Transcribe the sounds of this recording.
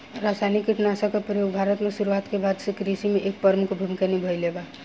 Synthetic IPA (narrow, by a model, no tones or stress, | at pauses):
ɾaːsaːnikːiʈnasakapɾəjoːɡbʱaːɾət̪mẽsuɾuaːt̪kebaːd̪sekɾisimẽʔeːk̚pəɾmʊkbʱʊmkenibʱəjleba